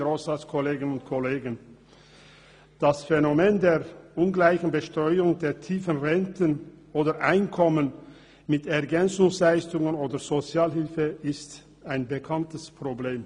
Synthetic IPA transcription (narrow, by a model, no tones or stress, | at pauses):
ʁoːsaskʰoleːɡənʊntkʰoleːɡən | d̥asfenomeːndeːɐʔʊnɡlaɪçn̩bəʃtʁ̥ɔʏʊŋdeːɐtʰiːfənʁɛntʰən | ʔoːdɐʔaɪnkʰɔmən | mɪtɛɐɡɛnt͡sʊŋslaɪstʊŋənoːdəzot͡sjaːlɦɪlfəɪst | aɪnbəkʰantəspʁ̥obleːm